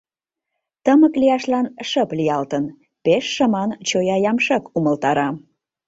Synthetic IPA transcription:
t̪əməklijɑʃlɑnʃəplijɑlt̪ən | peʃːəmɑnt͡ɕojɑjɑmʃɑkuməlt̪ɑɾɑ

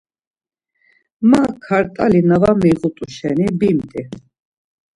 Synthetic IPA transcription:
makʰaɾt̪ʼalinavamiʁut̪ʼuʃɛnibimt̪ʼi

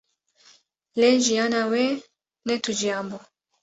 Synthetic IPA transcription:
lɛʒianawɛ | nɛtud͡ʒiambɔ

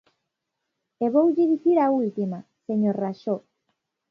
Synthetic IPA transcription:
eβowʎiðiθiɾault̪imaseɲoɾraʃo

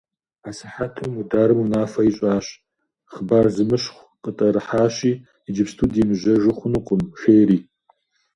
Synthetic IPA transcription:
asɨħatʰɨmudaːɾɨmunaːfɐiɕʼaːɕ | χbarzɨmɨɕχʷ | qʼətʼɐɾɨħaːɕiː | id͡ʒɪpstʰudimʒɐʒɨχʷʊnuqʷʊmxeːriː

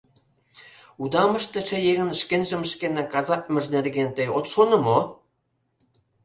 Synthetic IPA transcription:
ud̪ɑmə̆ʃt̪ĕt͡ɕĕjeɣə̆nʃkenʒə̆mʃkenĕkɑzɑk̚mʲɘ̆ʒnerɡent̪ĕjot̪ʃonɤ̆mo

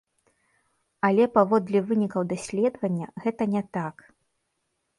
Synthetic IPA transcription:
ɐlʲɛpavɔd̪lʲɐvɨnʲikɐwd̪asʲlʲɛd̪vɐnʲːɐɣɛt̪ɐnʲɛt̪ak

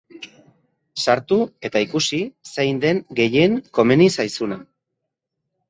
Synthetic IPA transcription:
saɾt̪ue̞t̪aikusisejnd̪e̞ŋɡe̞je̞ŋko̞me̞nisajsuna

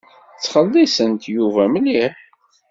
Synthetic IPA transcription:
t͡sːχəlːisənt̪juvæmlːiħ

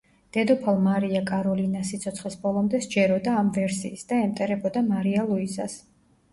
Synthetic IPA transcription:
d̪̥ɛd̪ɔpʰalˠmaɾiakʼaɾɔlinasit̪sʰɔt̪sʰχlisbɔlˠɔmd̪ɛsd͡ʒɛɾɔd̪aːmvɛɾsḭːsd̪aɛmt̪ʼɛɾɛbɔd̪amaɾialˠuizas

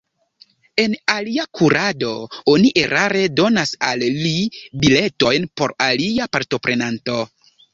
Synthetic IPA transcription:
e̞naliakʰuɾado̞oniʔe̞ɾʔaɾedo̞nasalːibile̞to̞jnpo̞̰ɾaliapaɾto̞pɾʔe̞nanto̞

